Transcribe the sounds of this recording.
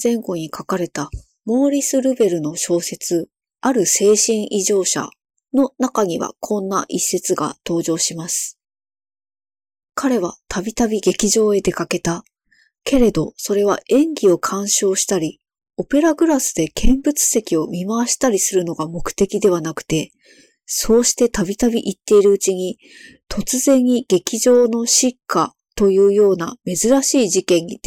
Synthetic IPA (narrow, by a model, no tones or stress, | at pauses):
zẽ̞ŋɡo̞ɲ̟ikʰakaɾe̞t̪a | mo̞ːɾʲisɨɾɯbe̞ɾɯ̟no̞ɕo̞ːse̞t͡sɨ | aɾɯ̟se̞ːɕĩɰ̃ʔiʑo̞ːɕa̰ | no̞nakaɲ̟iβa̰kʰõ̞nːaʔisːe̞t͡sɨɡa̰t̪o̞ːʑo̞ːɕimasɨ̥ | kʰaɾe̞βat̪ʰabʲit̪abʲiɡe̞kʲiʑo̞ːe̞d̪e̞kake̞t̪a | ke̞ɾe̞d̪o̞so̞ɾe̞β̞a̰ʔẽ̞ŋɡʲio̞kʰãɰ̃ɕo̞ːɕi̥t̪aɾʲi | o̞pe̞ɾaɡɯ̟ɾasɨd̪e̞kʰẽ̞mbɯ̟t͡sɨ̥se̞kʲio̞mʲimaβaɕi̥t̪aɾʲisɨɾɯ̟no̞ɡamo̞kɯ̟̥t̪e̞kʲid̪e̞βanakɯ̟̥t̪e̞ | so̞ːɕi̥t̪e̞t̪abʲit̪abʲiʔit̪ːe̞iɾɯ̟ɯt͡ɕiɲ̟i | t̪ʰo̞t͡sɨzẽ̞ɲ̟ːiɡ̥e̞kʲiʑo̞ːno̞ɕikːa | t̪o̞jɯ̟ːjo̞ːna̰me̞zɨɾaɕiːʑikẽ̞ɲ̟ːi